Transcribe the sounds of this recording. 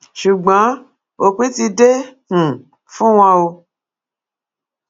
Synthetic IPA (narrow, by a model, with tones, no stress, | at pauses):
ʃu˨ɡ͡bã˨˦ | o˧k͡pĩ˦ti˧de˦hũ˨ | fũ˦w̃ɔ̃˧o˧